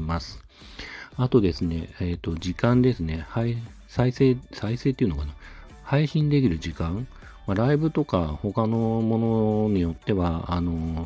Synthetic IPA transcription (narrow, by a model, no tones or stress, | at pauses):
masɨ̥ | at̪o̞d̪e̞sɨne̞̰ːt̪ːo̞ʑikãnd̪e̞sɨne̞hai | saiseːsaise̞ːt̪ːeiɯ̟nokana | haiɕĩnd̪e̞kʲiɾɯ̟ʑikãŋ | maɾaibɯ̟t̪o̞kaho̞kano̞mo̞no̞ɲ̟ijo̞t̪ːe̞βaːno̞